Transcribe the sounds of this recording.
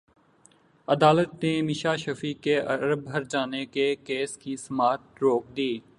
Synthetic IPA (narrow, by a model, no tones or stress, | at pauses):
ɐd̪aːlət̪nemɪʃaːʃɐfiːkeɐɾəbɦɐɾd͡ʒaːnekekeːskisɐmaːt̪̚ɾoːk̚d̪iː